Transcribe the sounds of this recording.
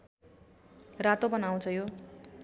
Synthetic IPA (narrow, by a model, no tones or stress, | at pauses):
rat̪obʌnaw̃t͡sʰʌjo